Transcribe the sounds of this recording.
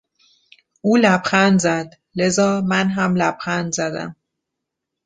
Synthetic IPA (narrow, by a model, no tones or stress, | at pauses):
ʔuːlæbxænd̪zæd̪ | lezɒːmænɦæmlæb̥xænd̪zæd̪æ̰m